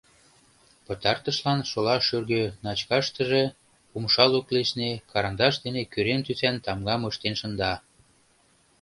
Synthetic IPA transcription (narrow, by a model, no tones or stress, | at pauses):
pɤ̆t̪ɑrt̪ə̆ʃlɑnʃolɑʃyrɣønɑt͡ɕkɑʃt̪əʒe̽ | pumʃɑlokleʃnekɑɾɑnd̪ɑʃd̪enekyɾent̪ysænt̪ɑmɡɑməʃt̪enʃə̆nd̪ɑ